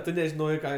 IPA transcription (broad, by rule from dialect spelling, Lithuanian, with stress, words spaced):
ˈtʊ nʲɛʒʲɪˈnoːjɛɪ ˈkɑː